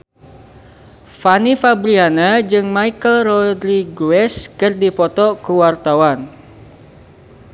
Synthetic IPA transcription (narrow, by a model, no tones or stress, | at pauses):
fanifabɾianad͡ʒɨŋmaikəlrɔdɾiɡuɛskɨrdipɔt̪ɔkəwart̪awan